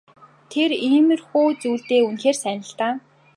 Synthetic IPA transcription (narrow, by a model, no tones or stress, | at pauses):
t̪ʰeriːmɘ̆rxuːt͡suːɮt̪eːunxeːrsænə̆ɬt̪aː